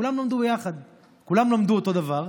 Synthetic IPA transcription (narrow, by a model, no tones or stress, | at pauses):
ulamlamd̪ubejaχad̪ | kulamlamd̪uot̪o̞d̪avaʁ